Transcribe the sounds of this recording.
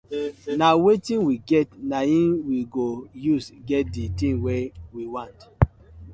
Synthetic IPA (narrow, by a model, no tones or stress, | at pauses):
nawetĩnwiɡɛtnaĩnwiɡojusɡɛt̚ditĩnwɛwiwãnt